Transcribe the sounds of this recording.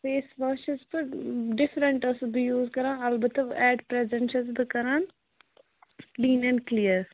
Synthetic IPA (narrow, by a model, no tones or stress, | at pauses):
peːsʋəːʃɪzpəɾɖɪfɾə̃ɳʈəsb̪ijuːzkɐɾãːɐlbət̪əʋɛːɖpɾɛzə̃ɳʃəzd̪əkɐɾãːn | lĩːnɛ̃ːɳɖklijəɾ